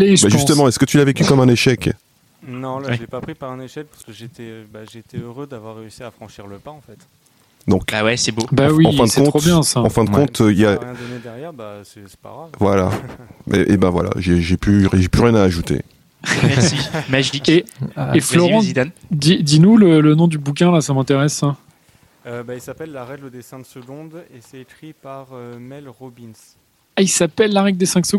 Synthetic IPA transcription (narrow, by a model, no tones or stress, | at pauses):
leʃbaʒyst̪əmɑ̃ɛskət̪ylavekʲykɔmɛ̃neʃɛk | nɔ̃lwɛpapχipaʁɛ̃neʃɛk̚paʁsə̥kəʒet̪ɛbaʒet̪ɛøʁød̪avwaʁːeysiafχɑ̃ʃiʁləpaɑ̃fɛt̪ | d̪ɔ̃kawɛsɛbobawiɑ̃fɛ̃d̪əkɔ̃t̪objɛ̃saɑ̃fɛ̃d̪əkɔ̃t̪ʰøiljad̪ɔned̪ɛʁjɛʁbasɛsɛ̥pa̰ʁavwalaɛ̰ʔebɛ̃vwa̰la̰ʒeʒɛpyʒeplyʁjɛ̃naːʒut̪ḛ | ɛmaʒikeflɔʁɑ̃sd̪nd̪id̪inulələnɔ̃d̪ybuk̬ʲɛ̃lasamɛ̃t̪eʁɛs | øbailsapɛlːaʁɛɡləd̪esɛ̃d̪səɡɔ̃d̪esɛekχipaʁømɛlʁɔbins | ailsapɛlːaʁɛɡ̚d̪esɛ̃sə